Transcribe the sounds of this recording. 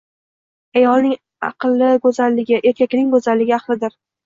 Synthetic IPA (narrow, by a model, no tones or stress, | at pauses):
ajɒlˠnɪŋ | ɑ̰qɨlˠːɪɡɵzalːɪɡʲɪʔe̞ɾkʲakʲnɪŋbɵzallːɪɡʲɪɑqlˠɪd̪ɪɾ